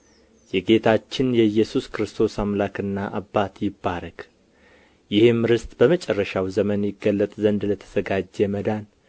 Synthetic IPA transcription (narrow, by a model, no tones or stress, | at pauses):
jɛɡe̞t̪ʰat͡ʃːɪnjɛjːɛsuskɾɨst̪ʰo̞samlakɨnːaʔabːat̪jɪbːaɾək | jɪhɨmɾɨst̪ʼb̥əmət͡ʃʼɛrːəʃawzəmənjɪɡːəlːət̪ʼzənd̪lət̪ʰə̥z̥əɡad͡ʒːɛməd̪an